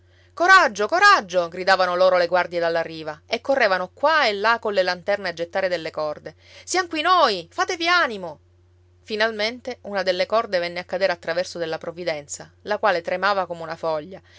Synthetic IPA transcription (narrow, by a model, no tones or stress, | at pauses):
koɾad͡ʒːokoɾad͡ʒːoɡɾid̪aːvanoloːɾoleɡward̪jed̪alːarːiːvaekːorːeːvanokwaelːakolːelant̪ɛrnead͡ʒːet̪ːaːɾed̪elːekɔrd̪e | sijamkwinojfaːt̪evianimo | finalment̪eunad̪elːekɔrd̪evɛnːeakːad̪eːɾeat̪ːɾavɛrsod̪elːapɾovid̪ɛnt̪salakwaːlet̪ɾemaːvakomeunafɔʎːa